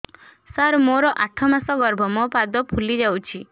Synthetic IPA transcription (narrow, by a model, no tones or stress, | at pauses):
saɾmoɾɔʔaʈʰɔmasɔɡɔɾbʱɔmɔpad̪ɔpʰulid͡ʒawt͡ʃʰi